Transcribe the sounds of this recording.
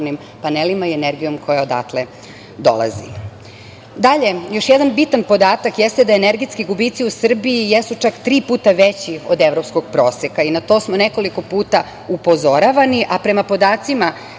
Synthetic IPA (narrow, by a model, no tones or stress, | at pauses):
nim | panelimaieneɾɡijo̞mkʰo̞jaod̪a̰t̪le | d̪o̞̰la̰zḭ | d̪aʎe̞jo̞ʃjɛd̪anbit̪anpo̞d̪aːt̪akjest̪ed̪aeneɾɡit̪skiɡubiːt̪siusr̩biːjesut͡ʃakt̪ɾiːpuːt̪aʋet͡ɕiod̪eʋɾo̞psko̞ɡ̥̚pɾo̞ːsekainat̪o̞ːsmoneko̞liko̞puːt̪a | upo̞zo̞ɾaʋaniʔapɾe̞mapo̞d̪aːt̪sima